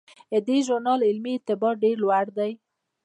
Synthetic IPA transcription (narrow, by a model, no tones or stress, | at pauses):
əd̪eʒʊɾnɑlɪlmiɪɾt̪ɪbɑɖeɾlwaɽd̪aj